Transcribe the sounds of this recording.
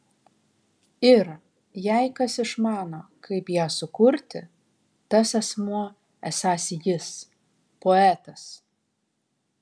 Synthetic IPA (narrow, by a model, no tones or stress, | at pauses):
ɪɾ | jæɪkɐsɪʃmɑːnoːkɐɪpjæːsʊkʊɾʲt̪ʲɪ | t̪ɐsɛsmuɔ | æsɑːsʲjɪs | poːæːt̪ɐs